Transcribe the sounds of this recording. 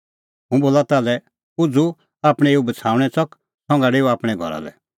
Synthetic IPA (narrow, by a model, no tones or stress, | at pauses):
ɦũboːlat̪aːlɛ | ʊd͡zu | aːpɽ̃ɛ̃eubət͡sʰaːũɽ̃ɛt͡sɔk | sʰɔ̃ŋɡaɽeːuaːpɽ̃ɛɡʱɔ̰ɾa̰lɛ̰